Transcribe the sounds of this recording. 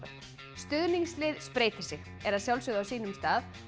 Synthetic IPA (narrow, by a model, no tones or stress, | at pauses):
st̪ʏðniŋslɪːðspɾeːjt̪ɪ̥sɪɣ | ɛɾaðsjawlsʏɣðʏawsiːnʏmst̪aːð